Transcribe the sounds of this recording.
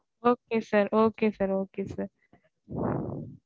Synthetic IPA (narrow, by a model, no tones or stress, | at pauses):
oːkesəɾoːkesɐɾoːkesɐɾ